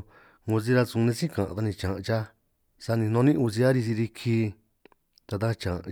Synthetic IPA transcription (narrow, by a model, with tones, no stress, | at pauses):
ŋũ˧s̬i˧ɾa˧sũ˧nẽ˧sĩ˦kã˨ʔã̰˧t̪a˧nĩ˧˨t͡ʃã˨ʔt͡ʃa˦ | sa˧nĩ˧nõ˧nĩ˦u˧si˧a˦ɾi˧si˧ɾi˧kʰi˧ | t̪a˧t̪ã˦t͡ʃã˨˧